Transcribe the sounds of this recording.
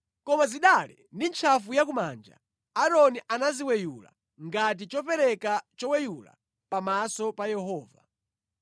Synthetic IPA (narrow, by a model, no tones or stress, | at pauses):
kɔmaziɗalɛ | ndint͡ʃʰafujakuma̰nd͡ʒa̰ | aɾɔniʔanaziwɛjula̰ | ŋɡat̬it͡ʃɔpɛɾɛkat͡ʃɔwɛjula̰ | pamasɔpajɛɦɔːva̰